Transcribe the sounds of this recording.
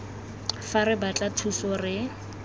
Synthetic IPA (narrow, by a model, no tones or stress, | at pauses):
faɾɪbat͡ɬʼatʰusɔrɪ